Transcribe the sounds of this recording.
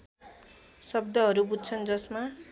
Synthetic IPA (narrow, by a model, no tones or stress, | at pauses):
sʌb̚d̪ʌɦʌɾubud̪̚t͡sʰʌnd͡zʌsma